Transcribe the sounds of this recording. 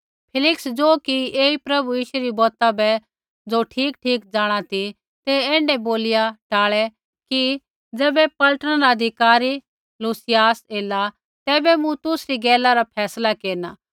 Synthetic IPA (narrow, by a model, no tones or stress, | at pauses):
pʰɪlɪksd͡zoːkieːipɾɐbujiːʃeɾibɔːt̪abɛ | d͡zoːʈʰiːkʈʰiːkd͡zaːɽ̃at̪ʰi | t̪ɛɛ̃ːɳɖɛboːlɪjaʈaːɭɛ | ki | d͡zɛːbɛpɐlʈəñaɾaɐd̪ʱɪkaːɾi | luːsɪjaːseːla | t̪ɛːbɛmũt̪ʊsɾiɡɛːlaɾapʰɛːslakeːɾnaː